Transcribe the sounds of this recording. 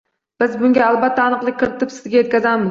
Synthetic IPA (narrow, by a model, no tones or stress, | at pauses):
b̥ɪzbʊŋɡʲaːlˠbat̪ʰːaɒnɨqlˠɨkʲʰːɪɾɪt̪ʰɪpsɪzɡʲaje̞t̪̚kʲazamɪz